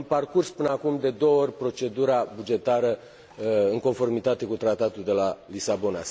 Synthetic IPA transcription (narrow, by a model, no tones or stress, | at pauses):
mparkurspɨnəakumd̪e̞d̪o̞woo̞rʲpɾo̞t͡ʃe̞d̪uɾabud͡ʒe̞t̪aɾə | ɨŋko̞nfo̞rmit̪at̪e̞kut̪ɾat̪at̪uld̪e̞lalisabo̞na̰